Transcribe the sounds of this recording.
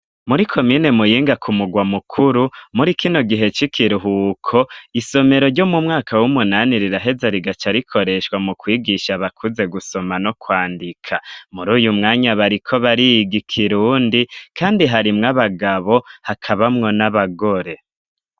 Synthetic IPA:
muɾikʰo̞mine̞mujiːŋɡakʰumuɡwamukʰuɾumuɾikino̞ɡiɦe̞t͡ʃikʰiɾuɦukʰo̞iso̞me̞ɾo̞ɾɟo̞mumŋaːkʰawumunaniɾiɾaɦe̞zaɾiɡat͡ʃaɾikʰo̞ɾe̞ʃkwamukwiːɡiʃaβakʰuze̞ɡuso̞manokwaːndikʰamuɾuːjumŋaːɲaβaɾikʰo̞βaɾijiɡikʰiɾuːndikaːndiɦaɾimŋaβaɡaβo̞hakʰaβamŋo̞naβaɡo̞ɾe̞

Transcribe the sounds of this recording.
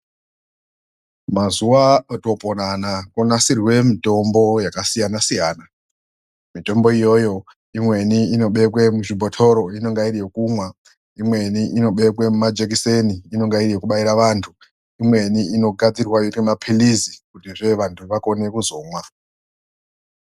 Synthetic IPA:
mazuwato̞pʼonanakonasirwe̞mito̞mbo̞jakasijanasijaːna | mito̞mbo̞ijo̞jo̞ | imwe̞niino̞ɓe̞k̬we̞muʐibʱo̞tʰo̞ɾo̞ino̞ŋɡairije̞kumwa | imwe̞niʔino̞ɓe̞kwe̞mumad͡ʒek̬iseniːno̞ŋɡairijekuɓaiɾaʋaːntʰu | imwe̞niino̞ɡʱad͡zirwajotemapʰilizikutiʐe̞ʋantʰuʋako̞ne̞kuzo̞ːmwa

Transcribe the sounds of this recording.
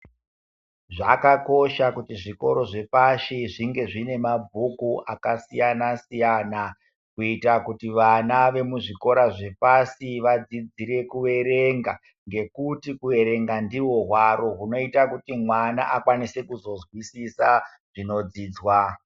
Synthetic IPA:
ʐakako̞ʃakutiʐiko̞̰ɾo̞ʐe̞paʃiʐiŋɡe̞ʐine̞mabʱukuʔakasijanasijana | kuitakutiʋanaʋe̞muʐiko̞ɾaʐe̞pasiʋad͡zid͡ziɾe̞kuʋe̞ɾe̞ŋɡa | ŋɡe̞kutikuʋe̞ɾe̞ŋɡandiwo̞ɦwaɾo̞ɦuno̞itakutimwanaʔakwanise̞kuzo̞zwisisa | ʐ̥ino̞d͡ziːd͡zwa

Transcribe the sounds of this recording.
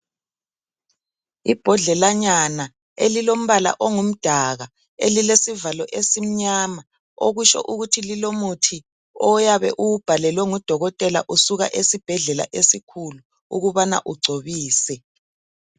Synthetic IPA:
ib̥ʱɔɮɛlaɲana | elilom̩βala̰ʔoŋum̩d̥ʱaɣa | elilesivalɔʔesim̩ɲama | oɣuʃɔ̰ʔuɣutʰililomutʰi | ɔjaβɛ̰ʔuub̥ʱalɛlwɛŋud̥ʱɔɣɔtʼɛla̰ʔusuɣa̰ʔesib̥ʱɛɮɛla̰ʔesikʰulu | ṵɣuβana̰ʔuɡ͡ǀʱoβiːsɛ

